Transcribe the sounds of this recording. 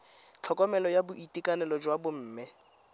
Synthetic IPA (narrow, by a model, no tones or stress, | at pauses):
t͡ɬʰɔkʼɔmɛlɔjabʊʔitʼikʼanɛlɔd͡ʒwabʊm̩ːmɪ